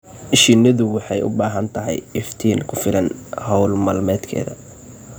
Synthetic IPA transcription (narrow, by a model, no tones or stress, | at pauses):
ɪʃinɐðʊwɑħɑjʊ̰baːɦɐnt̪ʰɐɦɛ̰jɛft̪ʰiːnkʰʊfɪlɐnhɐwlmɐːlmɛːd̪kʰɛ̰ːðɐ̰